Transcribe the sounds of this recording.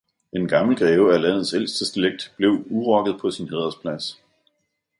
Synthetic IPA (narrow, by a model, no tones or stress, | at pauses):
e̝nɡ̥ɑ̈ml̩ɡ̥ʁɛːʊælæn̰ð̞̩ˠsel̰sd̥əsd̥eleɡ̥̚d̥b̥le̝ʊ̰uʁɒ̽ɡ̥ð̩ˠpʰɒ̽sinɦeðˠɐspʰlæs